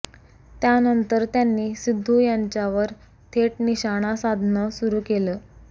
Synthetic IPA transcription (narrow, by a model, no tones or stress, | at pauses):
t̪janənt̪əɾt̪janːiːsid̪ʱːujaɲt͡ɕjaʋəɾ | t̪ʰeʈniɕaɽ̃asad̪ʱnəsuɾuːkeləː